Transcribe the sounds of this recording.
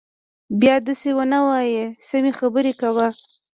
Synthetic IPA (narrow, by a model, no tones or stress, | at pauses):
bjɑd̪əsewənawɑjesəmexabəɾekawa